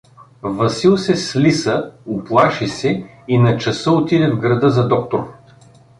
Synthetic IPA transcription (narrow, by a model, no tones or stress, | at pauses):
vɐsilˠsɛslisəʊplˠaʃisɛ | inɐt͡ʃɐsəot̪id̪ɛvɡɾɐd̪ɤzɐd̪ɔk̚t̪oɾ